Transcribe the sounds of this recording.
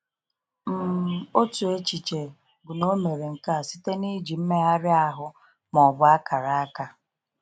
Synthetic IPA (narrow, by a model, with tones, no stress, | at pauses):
m̩˦˨o˦tu˨e˦t͡ʃi˨t͡ʃe˨ | ɡʊ˨no˦me˨ɾe˨ŋ̩˨ka˦˨si˦te˦ni˦d͡ʒi˨m̩˦me˦a˦ɾɪ˦a˦ɦʊ˦ | mɔ˨bʊ˦a˦ka˨ɾa˨a˦ka˦